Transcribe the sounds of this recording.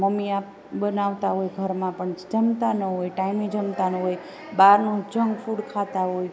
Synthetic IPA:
məmiap | ɓənaʋt̪aɦojɡʱəɾmãpəɳd͡ʒəmt̪anəɦojʈaimid͡ʒəmt̪anəɦoj | baɾnũd͡ʒəŋɡfuɽkʰat̪aɦoj

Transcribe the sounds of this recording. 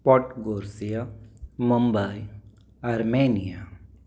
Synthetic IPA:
pɔʈɡoːɾsijaməmbai | ɐɾmeːnija

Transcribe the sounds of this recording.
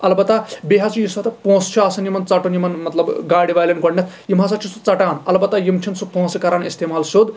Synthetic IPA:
ɐlbɐt̪abeɦat͡sʰujisat̪ʰɐpõːst͡ʃʰuaːsɐnjimɐnt͡sɐʈonjimɐnmɐt̪lɐbɡaːɽiʋaːjlinɡɐɽnet̪ʰjimɦasat͡ʃʰisut͡sɐʈaːnɐlbɐt̪ːajimt͡ʃʰinsupõːsikɐɾaːnist̪emaːlsod̪

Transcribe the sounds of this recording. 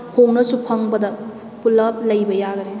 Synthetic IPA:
hʰownɐsupʰɐŋbɐd̪ɐ | pulɐp̚lɐjbɐjaɡɐne

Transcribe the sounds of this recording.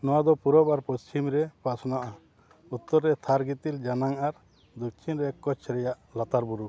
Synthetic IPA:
nɔwad̪ɔpuɾɔbaɾpɔst͡ʃimɾɛpasɔnaʔa | ut̪ːɔɾːɛt̪ʰaɾɡit̪ild͡ʒanaŋaɾ | d̪ɔk̚t͡ʃʰinɾɛkɔt͡ʃʰɾɛjaʔlat̪aɾbuɾu

